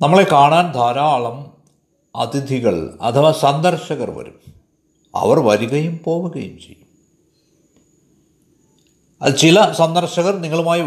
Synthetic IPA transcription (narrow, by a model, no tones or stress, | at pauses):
nɐmːɐɭe̞kaːɳaːnd̪ʱaːɾaːɭɐm | ɐ̰t̪id̪ʱiɣɐɭɐ̰t̪ʰɐʋɐsɐnd̪ɐrɕɐɣɐrʋɐ̰ɾum | ɐ̰ʋɐrʋɐɾuɣɐjumpo̞ːʋuɣɐjumt͡ɕe̞̰jːum | ɐ̰t͡ɕilɐsɐnd̪ɐrɕɐɣɐrniŋːɐɭumaːji